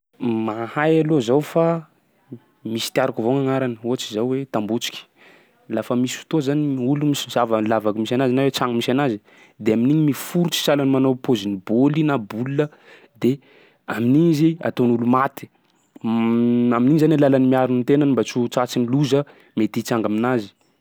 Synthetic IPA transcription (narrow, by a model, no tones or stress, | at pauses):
mahajalozawfa | misi̥t̪iaɾakivoŋaŋaɾanəuat͡sizawwet̪ambut͡ʃi̥kʲi̥ | lafəmisfu̥t̪ozaniulumisizavəlavakimisanazianawet͡saŋmisanazi̥ | d̪eaminiɲimifuɾut͡si̥salanimanopozinibolinabululə | d̪e | aminiɲizia̰t̪onulumat̪i̥ | aminiɲizanlalanimiaɾunit̪enanimbat͡sut͡sat͡siniluzə | met̪it͡saŋɡaminazi̥